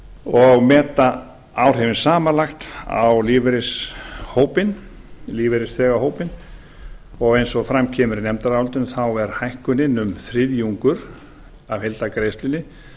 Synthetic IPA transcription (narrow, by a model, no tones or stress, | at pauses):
ɔɣmɛːt̪a | awr̥ɦɛvɪnsaːmanlaxt̪a̰wliːvɛɾɪshoːwpɪn | liːvɛɾɪsθɛːɣahɦoːwpɪn | ɔɣejnsɔfɾamcʰɛːmʏɾɪnɛmt̪aɾaawlt̪ɪnθawɛɾ̥hajhkʏnɪnʏmθɾɪðjuŋkʏɾ̥ | aðhejlt̪akɾeːjst̪lɪnːɪ